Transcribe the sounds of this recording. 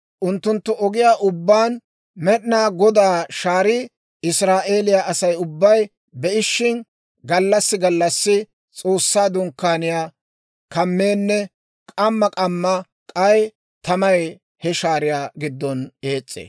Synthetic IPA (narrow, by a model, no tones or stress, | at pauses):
ʔʊnt̪ːʊnt̪ːʊʔɔɡɪjaːʔʊbːaːn | mɛɗnaːɡɔd̪aːʃaːɾɪ | ɪsɾaːʔeːlɪjaʔɐsɐjʊbːɐj | bɛʔɪʃːɪn | ɡɐlːɐsːɪɡɐlːɐsːɪ | t͡sʼo̞ːsːaːd̪ʊŋkːaːnɪjaː | kɐmːeːnːɛ | kʼɐmːɐkʼɐmːɐ | kʼɐj | t̪ɐmɐj | hɛʃaːɾɪjaːɡɪd̪ːɔne̞ːt͡sʼːḛː